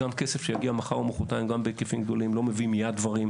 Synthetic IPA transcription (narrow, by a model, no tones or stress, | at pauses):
amkesefʃejaɡiamaχaʁomoχot̪aimɡambekefimɡ̚d̪o̞limlo̞mevimijad̪̚dvaʁim